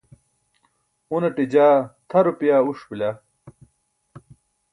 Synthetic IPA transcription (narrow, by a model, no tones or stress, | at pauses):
unɐʈid͡ʑaːt̪ʰɐɾupjaːuʂpila